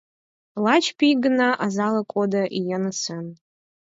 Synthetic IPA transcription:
lat͡ʃʰpʰiɡɨnaʔazalakʷʼodaʔijanɨsʰan

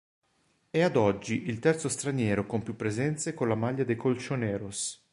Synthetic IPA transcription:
ɛad̪ɔd͡ʒːiʔilt̪ɛrt̪sost̪ɾanjɛːɾokompjupːɾezɛnt̪sekonlamaʎːad̪ejkolt͡ʃonɛːɾos

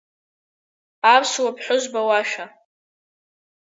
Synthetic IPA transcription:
apswapʰħʷʊʒʷbawaʃᶣa

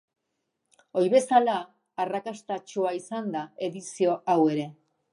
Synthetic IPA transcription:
o̞jβe̞salaː | rakast̪at͡ʃuaisand̪ae̞ðisio̞awe̞ɾe̞

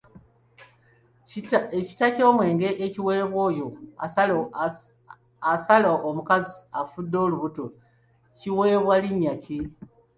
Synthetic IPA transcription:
eci̥taco̞ːmwe̞ːŋɡe̞ʔeciwe̞ːβwo̞jo̞ | asalaʔomukaziafudːo̞ːluβuto | ciweːβwaliɲːaci

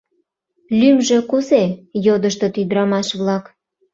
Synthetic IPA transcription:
lymʒĕkuzejod̪əʃt̪ot̪yd̪ɾɑmɑʃβlɑk

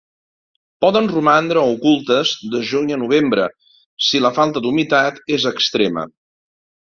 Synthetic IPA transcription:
pɔðənrumand̪ɾəɔukulˠt̪əzd̪əʒuɲənuβ̞embɾə | siləfalˠt̪əd̪umit̪at̪ezəkst̪ɾemə̰

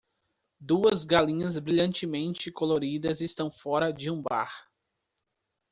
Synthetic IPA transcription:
d̪uɐzɡalĩɲɐzbɾiʎɐ̃nt͡ʃɪmẽnt͡ʃɪkoloɾid̪ɐzɪst̪ɐ̃w̃fɔɾɐd͡ʒɪũba̰ɾ

